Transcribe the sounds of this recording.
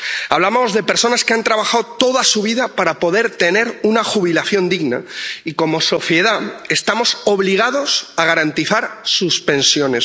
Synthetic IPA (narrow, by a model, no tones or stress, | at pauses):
aβlamo̞zðe̞pe̞ɾso̞naskeant̪ɾaβaxaðt̪o̞ðasuβ̞iðapaɾapo̞ðe̞ɾt̪e̞ne̞ɾunaxuβ̞ilaθjo̞nd̪iɣna̰iko̞mo̞so̞θje̞ð̞ae̞st̪amo̞so̞βliɣ̞aðo̞saɣaɾant̪iθaɾsuspe̞nsjo̞ne̞s